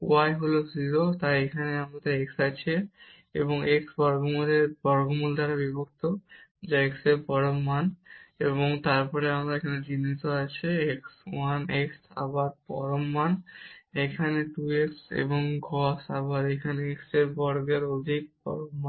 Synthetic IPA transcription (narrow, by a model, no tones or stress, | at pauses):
uajɦoloziɾot̪ajekʰaneamɾat̪aeksat͡ɕʰe | ḛboŋeksbɔɾɡomuleɾbɔɾɡomuld̪ʱaɾabibʱok̚t̪od͡ʑaeksepɔɾomːaneβoŋt̪aɾpɔɾeamɾaekʰaned͡ʑinːit̪oat͡ɕʰeekswaneksa̰baɾ̚pɔ̰ɾomːanekʰaneʈueksḛboŋɡʱɔsabaɾekʰaneekseɾbɔɾɡeɾod̪ʱik̚bɔ̰ɾomːa